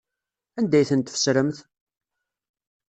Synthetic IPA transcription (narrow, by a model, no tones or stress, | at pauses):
ænd̪æjθənt̪fə̥sɾəmθ